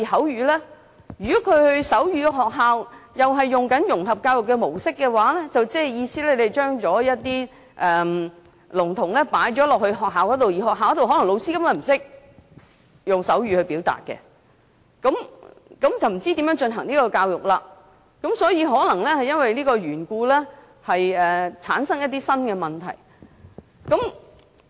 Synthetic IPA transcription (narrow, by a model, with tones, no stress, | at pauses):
i˨˩hɐ˨˥wjyː˨˧lɛː˥ | jyː˨˩kɔ˨˥kʰɵ˨˧ɥhɵ˧ɥsɐ˨˥wjyː˧kɛː˧ɦɔː˨k̚ɦaː˨wjɐ˨wɦɐ˨jːʊ˨ŋkɐ˨˥njʊ˨˩ŋɦɐ˨p̚kaː˧wjʊ˨kːɛ˧mo˨˩wsɪ˥kːɛ˧waː˨˥lɛː˥t͡sɐ˨wt͡sɛː˥˨jiː˧siː˥lɛː˥le˧˨t͡ʃœː˥ŋt͡ʃɔː˨˥jɐ˥t̚t̪iː˥ | ʔɛː˨ | lʊ˨˩ŋt̪ʰʊ˨˩ŋlɛː˥paː˨˥jt͡ʃɔː˨˥lɔː˨k̚hɵ˧ɦɔː˨k̚ɦaː˨wkɔː˨˥t̪o˨wji˨˩hɔː˨kɦaː˨wkɔ˥t̪o˨whɔː˨˥lɐ˨˩ŋlo˨˧wsiː˥kɐ˥mkɔ˨˧˩m̩˨˩sɪ˥k̚ | jʊ˨˩ŋsɐ˨˥wɥyː˨˧hɵ˧ɥpiː˨˥wt̪a̰ː˨t̚kɛ̰˧ | kɐ˨˧˥mkɐ˨˥mt͡sɐ˨wm̩˨˩t͡siː˥t̪iː˨˥mjœː˨˥ŋt͡ʃɵ˧nɦɐ˨˩ŋniː˥kɔː˧kaː˧wjʊ˨˩k̚laː˧ | kɐ˨˥msɔː˨˥jiː˨˧ɦɔː˨˥lɐ˨˩ŋlɛː˥hɐ˨jɐ˥nwɐ˨jliː˥kɔː˧ɥyː˨˩nkuː˧lɛː˥ | hɐ˨jɛː˨t͡sʰaː˨˥nsɐ˥ŋjɐ˥t̪̬iː˥sɐ˥nkɛ˧mɐ˨˩nt̪ʰɐ˨˩j | kɐ˨˧˥m